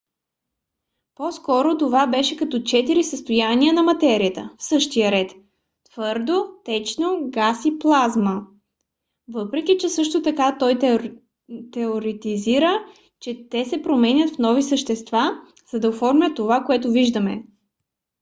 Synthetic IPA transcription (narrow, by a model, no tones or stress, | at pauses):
pɔskɔɾot̪ovabɛʃɛkɐt̪ɔt͡ʃɛt̪iɾisəst̪ojaniənɐmɐt̪ɛɾiət̪əfsɤʃt̪ijəɾɛt̪ | t̪v̥ɤɾd̪ot̪ɛt͡ʃnoɡasiplˠazmə | vɤpɾɛk̟it͡ʃɛsɤʃt̪ot̪ɐkat̪ɔj | t̪ɛoɾit̪iziɾə | t͡ʃɛt̪ɛsɛpɾomɛnʲət̪fnɔvisəʃt̪ɛst̪va | z̥ɐd̪ɐofɔɾmʲjət̪ːovakoɛt̪ʊviʒd̪əmɛ̰